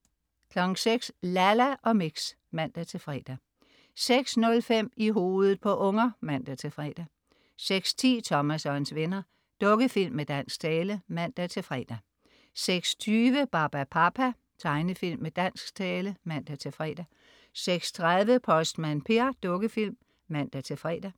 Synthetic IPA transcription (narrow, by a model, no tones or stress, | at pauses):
kʰlɒ̽ɡ̥ŋ̩seɡ̥slælæʔɒ̽miɡ̥s | mæn̰d̥æt͡sʰe̝lfʁɛ̰d̥æ | seɡ̥snɔ̽lfem̰iɦo̝ːðˠð̩ˠpʰɒ̽ʔɔ̽ŋɐmæn̰d̥æt͡sʰe̝fʁɛ̰ːd̥æ | seɡ̥st͡sʰḭːt͡sʰɒ̽mæsɒnsʋe̝nɐ | d̥ɔ̽ɡ̥əfil̰mːed̥æn̰sɡ̥̚t͡sʰɛːləmæn̰d̥æt͡sʰe̝lfʁɛ̰ːd̥æ | seɡ̥st͡sʰyːʋəb̥ɑ̈ːb̥æpʰɑpʰæ | t͡sʰɑ̈ɪnəfil̰mːed̥æn̰sɡ̥t͡sʰɛːləmæn̰d̥æt͡sʰe̝fʁɛ̰ːd̥æ | seɡ̥st͡sʰʁaðˠʋəpʰɒ̽sd̥mænpʰe̝ɐd̥ɔ̽ɡ̥əfil̰mː | æn̰d̥æt͡sʰe̝fʁɛ̰ːd̥æ